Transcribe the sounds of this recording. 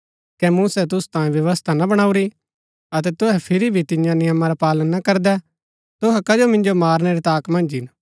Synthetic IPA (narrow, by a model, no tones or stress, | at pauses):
kɛmuːsɛt̪̬ʊsu̥t̪ãːjẽʋjɐʋəst̪ʰanɐbɐɽ̃aːuɾi | ɐt̪ɛt̪ʊɦɛpʰɪɾibʱit̪ɪ̃jãnɪjəmaɾapaːlənːɐkɐɾd̪ɛ | t̪ʊɦɛkɐd͡ʒomɪ̃nd͡ʒomaːɾnɛɾit̪aːkmɐ̃nd͡ʒɦɪn